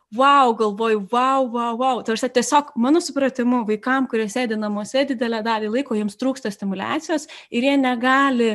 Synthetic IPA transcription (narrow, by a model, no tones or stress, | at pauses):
ʋɐʊɡɐlˠʋoːjʊʋɑʊʋɐʊʋɐʊt̪ʋʲɾsʲɛtʲiɛsʲoːkmɑːnoːsʊpɾɐt̪ʲɪmʊʋɐɪkɐmkʊɾʲiɛsʲeːd̪ʲɪnɐmuɔsʲɛd̪ʲɪd̪ʲɛlʲæːd̪ɑːlʲiːlˠɐɪkoːjiɛmst̪ɾuːkst̪ɐsʲt̪ʲɪmʊlʲæ̰ːt̪sʲɪjoːsɪɾjiɛnʲɛɡɑːlʲɪ